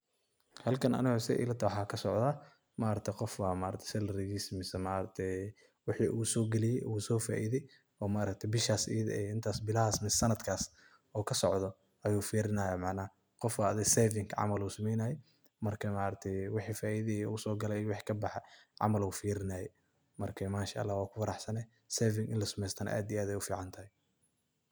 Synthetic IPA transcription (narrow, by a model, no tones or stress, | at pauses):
hɐlkʰɐnɐ̰nɪɣɔsɛ̰ʔɪ̰lɐt̪ʰɐwħɑːkʰɐsɔ̰ʕdaː | maːɾɐt̪ʰɛjqɔfwaːmaːɾɐt̪ʰɛ̥sɛlrɛd͡ʒismɪsɐmaːɾɐt̪ʰɛj | wɪħiːʔuːsɔːɡɐlɪjɛjʔusɔːfa̰ːʔiðɛj | ɔːmaːɾɐk̚t̪ʰɛbɪʃaːsḭːɛɪnt̪ʰaːsbɪlɐɦaːsmɪssɐnɐd̪kʰaːs | ɔːkʰɐsɔ̰ʕðɔ | ʔɐjuːfiːɾɪnaːjɐmɑʕnaː | qɔfaðɛsɛvɪŋkʰʕɑ̰mɐluːsɐmɛjnaːjɛ | mɐrkʰɐmaːɾɐt̪ʰɛjwɑħiːfaːʔiːðɛusɔːɡɐlɛjwɑħiːkʰɐbɑħɛʕɑ̰mɐluːfiːɾɪnaːjɛ | mɐrkʰɛmaːʃɐʔɐ̰lːaːhwaːkʰʊfɐɾɑħsɐnɛ | sɛːvɪŋɡɪnlɐsɐmɛjst̪ʰɐnɐ̰ʔa̰ːd̪iaːd̪ɛjʊfiːʕɑnt̪ʰɐhɛ